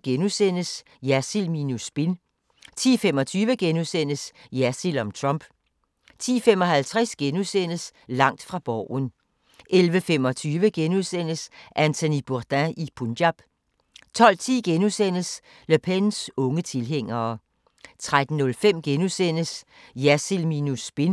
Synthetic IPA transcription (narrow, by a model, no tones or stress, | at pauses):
ɡ̥enusen̰əs | jæsilminusb̥in | t͡sʰḭːfemɒ̽t͡sʰyːʋəɡ̥enusen̰əsjæsilɒ̽mt͡sʰʁɔmb̥ | t͡sʰḭːfem̰ɒ̽ɦælt͡sʰʁasɡ̥enusen̰əslɑ̈ŋ̰d̥fʁɑ̈b̥ɒʊ̰n | ʔelʋəfem̰ɒ̽t͡sʰyːʋəɡ̥enuðˠsen̰əsʔænt͡sʰo̝nib̥ud̥æʔipʰundjɑb̥ | t͡sʰɒ̽l̰t͡sʰḭːɡ̥enusen̰əs | løpʰensɔ̽ŋət͡sʰe̝lɦeŋ̰ɐː | t͡sʰʁad̥n̩ːɔ̽lfem̰ɡ̥enusen̰əsjæsilminusb̥e̝n